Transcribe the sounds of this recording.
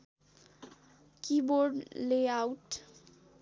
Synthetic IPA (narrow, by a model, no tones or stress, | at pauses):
kiboɾɖleawʈ